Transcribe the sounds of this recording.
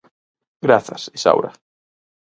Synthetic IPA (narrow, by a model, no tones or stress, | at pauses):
ɡɾaθasisa̰wɾa̰